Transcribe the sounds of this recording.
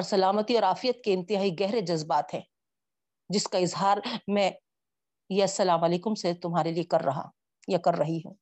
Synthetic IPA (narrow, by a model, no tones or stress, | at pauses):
ɔɾsɐlaːmət̪iɔːɾaːfɪjət̪keɪ̃nt̪ɪɦaːiɡɛɦɾed͡ʒɐzbaːt̪ɦɛ̃ː | d͡ʒɪskaɪzɦaːɾmɛ̃ː | jeɐsːɐlaːmɐleːkʊmset̪ʊmɦaːɾeliekɐɾːɐɦa̰ | jakɐɾːɐɦiɦɛ̰ː